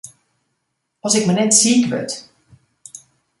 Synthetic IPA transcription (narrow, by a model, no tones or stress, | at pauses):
ɔsɪkmənɛtsiːkʋø̰t